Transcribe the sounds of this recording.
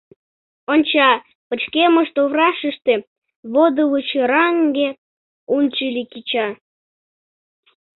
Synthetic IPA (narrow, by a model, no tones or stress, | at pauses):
onʲt͡ɕɑ | pət͡ɕkeməʃt̪oβrɑʃəʃt̪e | βod̪əβət͡ɕeɾɑŋɡe | unʲt͡ɕilʲikit͡ɕɑ